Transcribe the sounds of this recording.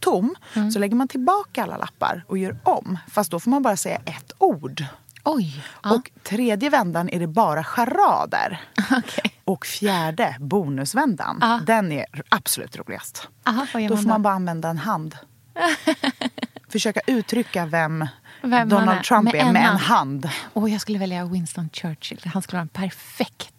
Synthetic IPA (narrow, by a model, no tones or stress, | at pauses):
t̪ʰʊmːsɔlɛɡːəɾmant̪ʰɪlbɑːkaalːa̰la̰pːa̰ɾɔjœːɾɔmfast̪̚d̪ɔfɔːɾmanbɑːɾasɛjːa̰ʔɛt̪ːuːɖ | ɔjɔkt̪ʰɾeːd̪jəvɛnd̪anæɖɛbɑːɾaɧaɾɑ̰ːd̪ə̰ɾkʰɔkfjæːɖəbuːnɵsvɛnd̪a̰nd̪ɛnɛ̰ɾʔab̥sɔlʉ̰ːt̪ɾṵːlɪ̰ɡa̰st̪d̪ɔfɔɾmanbɑːɾaanvɛnd̪aɛnɦand̪ | fœʂøːkaʔʉ̟ːt̪ʰɾʏkːavɛmvɛɔnalt̪ʰɾampɛɾmɛɛnɦand̪ɔjɑɡskɵlːəvɛljawɪnst̪ɔnt͡ʃœːʂɪlhanskɵləɑːɾɛnpʰæɾfɛkt̪